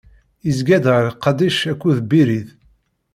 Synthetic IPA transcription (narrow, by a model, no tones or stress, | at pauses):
izɡæd̪ɾqːɑd̪iʃækʷːuðbiɾið